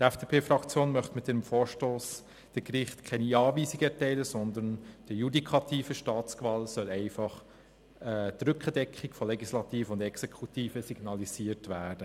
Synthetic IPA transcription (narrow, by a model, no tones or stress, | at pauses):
tɛfd̥eːpʰeːfɾɑkt͡sjoːnmœχtmɪtdɛːnəmfoːɹʃtoːs | d̥əkɾɪχtkʰɛniɑːviːsiɡəɛɾtɛɪləsɔnd̪ənd̥əjudikʰɑtiːfəʃtɑːtt͡skvɑːlsœlɛɪfɑχ | ɛtɾʏkχədɛkχikfɔlɛɡislɑtiːfʊndɛksɛkʰutiːfəsiɡ̥nɑliziːəɾtvæːɾd̥ə